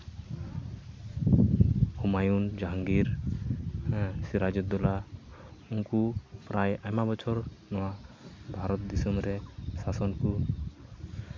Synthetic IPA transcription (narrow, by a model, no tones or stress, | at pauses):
umajund͡ʒaŋɡiɾ | siɾad͡ʒɔt̪̚d̪ɔla | uŋkupɾajajmabɔt͡ʃʰɔɾnɔwabʱaɾɔt̪̚d̪isɔmɾɛsasɔnku